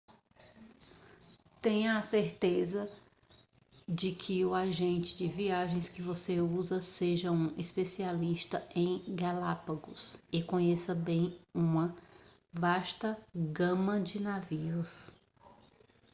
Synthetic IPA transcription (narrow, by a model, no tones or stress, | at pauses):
t̪ẽɲɐaseɾt̪ezɐ | d͡ʒɪkʰɪʊaʒẽnt͡ʃɪ̥d͡ʒɪviaʒẽj̃skɪvoseuzɐseʒɐũʔespesialiʃt̪ɐẽj̃ɡalapaɡʊsɪkõɲesɐbẽj̃ũmɐ | vaʃt̪ɐɡɐ̃mɐd͡ʒɪnaviʊs